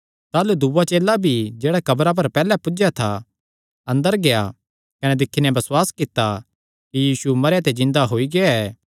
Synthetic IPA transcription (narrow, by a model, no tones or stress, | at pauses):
t̪aːlud̪uːat͡ʃeːlabʱid͡ʒeːɽakɐbɾap̬ɐɾpɛːlɛpʊd͡ʒjat̪ʰa | ɐ̃nd̪əɾɡeja̰ | kɐnɛd̪ɪkʰːinɛ̃bɐswaːskɪt̪ːa | kijiːsumɐɾjat̪ed͡ʒɪ̃nd̪aɦoːiɡeaɛː